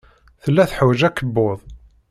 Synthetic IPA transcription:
θəlːæθħwd͡ʒækːəbːoðˤ

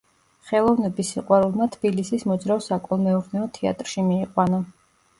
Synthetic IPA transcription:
χɛlˠɔvnɛbisiqʼwaɾulˠmat̪ʰb̥ilisismɔd̪zɾaɔsakʼɔlˠmɛɔɾnɛɔt̪ʰɛa̰t̪ʼɾʃimiːqʼwanɔ

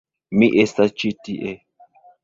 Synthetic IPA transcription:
miʔesat͡ʃitiʔɛ

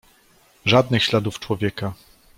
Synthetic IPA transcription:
ʐad̪nɘxɕlad̪uft͡ʂwɔvʲjɛka

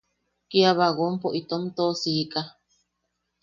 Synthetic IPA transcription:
kiaβaɣompoʔit̪omt̪osika

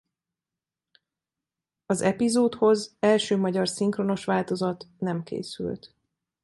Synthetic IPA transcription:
ɒzɛpizoːt̪ho̞zɛlʃøːmɒɟɒrsiŋkro̞no̞ʃʋaːlt̪o̞zɒt̪nɛmkḛːsy̰lt̪

